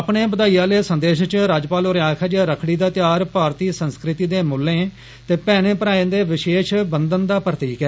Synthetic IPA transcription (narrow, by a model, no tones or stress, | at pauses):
əpɳeːbəd̪aːijãːleːsənd̪eːʃt͡ʃɾaːd͡ʒpaːlʊɾjaːkʰad͡ʒaːɾəkʰɽiːd̪aːt̪jaːɾpaːɾt̪iːsənskɾɪt̪iːd̪eːmʊlːẽː | t̪eːpɛːɽ̃ẽːpəɾaːẽːd̪eːʋɪʃeːʃbənd̪ənd̪aːpɾət̪iːkɛː